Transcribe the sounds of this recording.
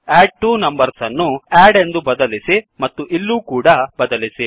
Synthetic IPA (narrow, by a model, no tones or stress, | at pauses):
eːɖ̚ʈuːnɐmbɐɾsɐnːuaːɖe̞nd̪ubɐd̪ɐlisimɐt̪ːuʔilːuːkuːɽɐbɐd̪ɐlisi